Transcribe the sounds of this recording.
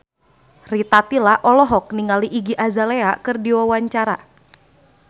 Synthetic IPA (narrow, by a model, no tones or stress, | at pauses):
rit̪at̪ilaʔɔlɔɦɔk̚niŋaliʔiɡiʔazaleakɨrdiwawaɲt͡ʃaɾa̰